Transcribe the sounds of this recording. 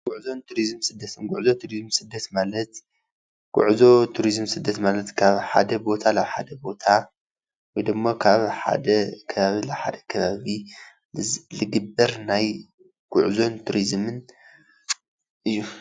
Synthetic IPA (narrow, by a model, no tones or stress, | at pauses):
ɡ̥ʊʕzo̞nt̪ʰuɾizmsɨd̪ːɐt̪ʰɨnɡʊʕzo̞t̪ʰuɾizɨmsɨd̪ːɐt̪malɐt̪ | ɡ̥ṵʕzo̞t̪ʰuɾizmsɨd̪ːɐt̪malɐt̪kʰaβħa̰d̪ɐbo̞t̪ʰalaβħa̰d̪ɐbo̞t̪ʰa | wɔjd̪ɨmːokʰaβħa̰d̪ɐkʰɐβaβilaβħa̰d̪ɐ̥kʰɐβaβi | lɨɡɨbːɐɾnaj | ɡ̥ṵʕzo̞nt̪ʰuɾizmɨn | ʔɨjːu